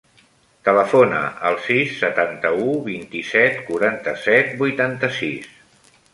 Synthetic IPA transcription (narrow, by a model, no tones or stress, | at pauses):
t̪ələfonə̰əlˠsisːət̪ant̪əuβint̪isɛt̪kuɾant̪əsɛt̪̚bujt̪ant̪əsis